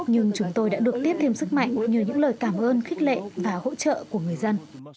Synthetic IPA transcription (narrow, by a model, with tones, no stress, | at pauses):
ɲɨ˧ŋt͡ɕʊ˨˦ŋ͡mt̪o˧jɗa̰ː˧˥ɗɨ˨˩ək̚t̪i˦˥əp̚t̪i˧msɨ˦˥k̚ma̰˧˨jŋ̟ɲi˨˩wɲɨ̰˧˥ŋləː˨˩jkaː˧˩mʔəː˧nxi˦˥k̟̚lḛ˧˨vaː˨˩ho̰˧˥t͡ɕə̰ː˧˨ku˧˩əŋɨ˨˩əjzə˧n